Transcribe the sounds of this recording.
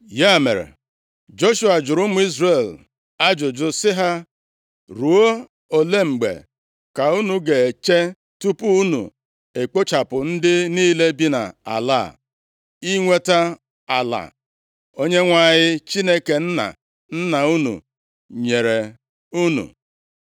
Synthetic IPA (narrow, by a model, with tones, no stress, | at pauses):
ja˦˨me˨ɾḛ˨ | d͡ʒo˦ʃu˦a˨d͡ʒʊ˨ɾʊ˦mʊ˦i˦zre˨l | a˦d͡ʒʊ˨d͡ʒʊ˦sɪ˦ɦa˦ | ɾu˨o˦ | o˨le˦ŋ͡m̩˨ɡ͡bḛ˨ | ka˨u˦nu˨ɡe˨e˨t͡ʃe˦ | tu˦pu˦u˦nṵ˨ | e˨k͡po˦t͡ʃa˨pʊ˨n̩˦dɪ˦niː˦le˦bi˦na̰˨a̰˨la̰˦˨ | i˦ŋʷe˦ta˦ | a˨la̰˨ | o˦ɲe˦ŋʷa˦˨ɲɪ˦t͡ʃi˦ne˦ke˨n̩˦na̰˨ | n̩˦na˨u˦nṵ˨ | ɲe˨ɾe˨ | u˦nṵ˨